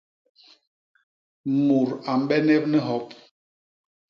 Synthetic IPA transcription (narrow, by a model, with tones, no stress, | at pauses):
mu˨ɾa˨m̩˦ɓɛ˦ne˦p̚nɛ˦ɦɔ˦p̚